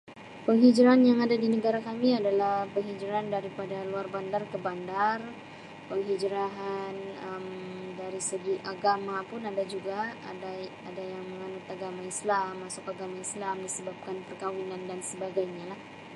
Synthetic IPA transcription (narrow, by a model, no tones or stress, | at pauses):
pəŋɦid͡ʒɾanjaŋadadinəɡaɾakamiadalahpəŋɦid͡ʒɾandaɾipadaluarbandarkəbandar | pəŋɦid͡ʒɾaɦanəmdaɾisəɡiʔaɡamapʊnadad͡ʒuɡaada | adajaŋməŋanʊt̪aɡamaislamːasʊkaɡamaislamdisəbap̚kanpərkawinandansəbaɡajɲalah